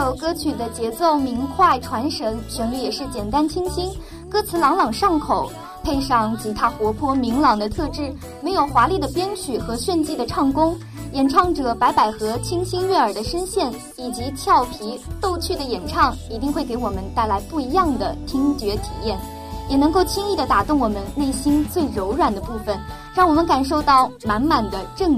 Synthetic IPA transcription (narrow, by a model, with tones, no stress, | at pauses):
jo˨˩ʊkɤ˥t͡ɕʰy˨˩d̪ə˦t͡ɕjɛ˧˥t͡so˥˩ʊmi˧˥ŋkʰwa˥˩ɪʈ͡ʂʰwa˧˥nʂə˧˥ŋt͡ɕʰɥɛ˧˥ŋly˧˥jɛ˨˩ʂɻ̩˥˩t͡ɕjɛ˨˩nt̪a˥nt͡ɕʰi˥ŋɕi˥n | kɤ˥t͡sʰɹ̩˧˥lɑ˧˥ŋlɑ˨˩ŋʂɑ˥˩ŋkʰo˨˩ʊ | pʰe˥˧ɪʂɑ˥˩ŋt͡ɕi˧˥˩t̪ʰa˥xwɔ˧˥pʰwɔ˥mi˧˥ŋlɑ˨˩ŋd̪ə˦t̪ʰɤ˥˧ʈ͡ʂɻ̩˥˩ | me˧˥ɪjo˨˩ʊxwa˧˥li˥˩d̪ə˩pjɛ˥nt͡ɕʰy˨˩xɤ˧˥ɕɥɛ˥˧nt͡ɕi˥˩d̪ə˩ʈ͡ʂʰɑ˥˩ŋkʊ˥ŋ | jɛ˨˩nʈ͡ʂʰɑ˥˩ŋʈ͡ʂɤ˨˩pa˧˥ɪpa˨˩ɪxɤ˧˥t͡ɕʰi˥ŋɕi˥ŋɥɛ˥˩ə˞˨˩d̪ə˦ʂə˥nɕjɛ˥˩n | i˨˩t͡ɕi˧˥t͡ɕʰjɑ˥˩ʊpʰi˧˥t̪o˥˧ʊt͡ɕʰy˥˩d̪ə˩jɛ˨˩nʈ͡ʂʰɑ˥˩ŋi˧˥t̪i˥˧ŋxwe˥˩ɪke˧˥ɪwɔ˨˩mə˦nt̪a˥˩ɪla˧˥ɪpu˥˩i˧˥jɑ˥˩ŋd̪ə˩t̪ʰi˥ŋt͡ɕɥɛ˧˥t̪ʰi˨˩jɛ˥˩n | jɛ˨˩nɤ˧˥ŋko˥˩ʊt͡ɕʰi˥ŋi˥˩d̪ə˩t̪a˨˩t̪ʊ˥˩ŋwɔ˨˩mə˦nne˥˩ɪɕi˥nt͡swe˥˩ɪɻo˧˥ʊɻwa˨˩nd̪ə˦pu˥˩fə˩n | ɻɑ˥˩ŋwɔ˨˩mə˦nka˨˩nʂ̬o˥˧ʊt̪ɑ˥˩ʊma˧˥nma˨˩nd̪ə˦ʈ͡ʂɤ˥˩ŋ